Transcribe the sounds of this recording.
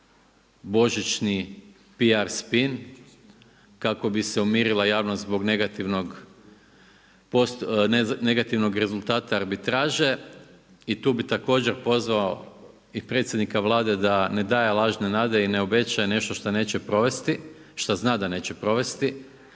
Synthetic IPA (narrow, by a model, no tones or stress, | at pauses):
bo̞ʒit͡ʃni | piaɾspin | kako̞biseumiːɾilˠajaːʋnost̪zbo̞ɡne̞ɡat̪iʋnoɡ | posnne̞ɡat̪iʋno̞ɡɾe̞zulˠt̪aːt̪aːɾbit̪ɾaːʒe̞ | it̪uːbit̪ako̞ːd͡ʑeɾpo̞zʋao | ipɾe̞t̪sʲje̞d̪nikaʋlˠaːd̪e̞d̪ane̞d̪aːjelˠaːʒne̞naːd̪e̞ineo̞be̞t͡ʃajene̞ʃt̪o̞ʃt̪ane̞ːt͡ɕepɾo̞ʋe̞st̪i | ʃt̪aznaːd̪ane̞ːt͡ɕepɾo̞ʋe̞st̪i